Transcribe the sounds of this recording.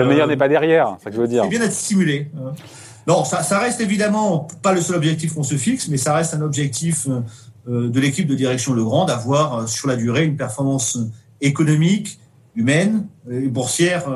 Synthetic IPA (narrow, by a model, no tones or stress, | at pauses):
ləmɛjœʁnɛpad̪ɛʁjɛʁsakəvød̪iːɛbjɛ̃d̪ɛt̪st̪imyleø | nɔ̃sasaʁɛst̪evid̪amɑ̃paləsœlɔbʒɛk̚t̪ifkɔ̃səfiksmɛsaʁɛst̪ɛ̃nɔbʒɛk̚t̪ʰifø | ød̪əlekʲip̚d̪əd̪iʁɛksjɔ̃ləɡʁɑ̃d̪avwaʁøsyʁlad̪yʁeynpɛʁfɔʁmɑ̃sø | ekɔnɔmik | ymɛnebuʁsjɛʁ